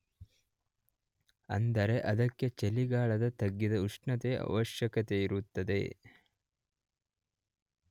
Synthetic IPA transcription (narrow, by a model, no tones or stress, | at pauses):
ɐ̰nd̪ɐɾe̞ʔɐd̪ɐkːe̞t͡ʃeliɡaːɭɐd̪ɐt̪ɐɡːid̪ɐuʂɳɐt̪eʔɐ̰ʋɐʃjɐkɐt̪eiɾut̪ːɐd̪e̞̰